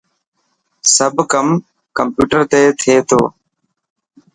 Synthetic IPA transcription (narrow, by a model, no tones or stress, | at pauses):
səbʱkəm | kəmpjuːʈəɾt̪eːt̪ʰeːt̪ʰo̰ː